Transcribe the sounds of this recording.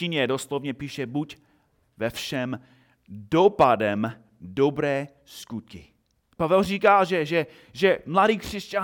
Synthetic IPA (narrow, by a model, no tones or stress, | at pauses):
iɲɛdoslovɲɛpiːʃɛbuc | vɛfʃɛm | dopadɛm | dobɾɛː | skut̪̚kɪ | pavɛlriːkaːʒɛʒɛ | ʒɛmladiːkr̝̥ɛsca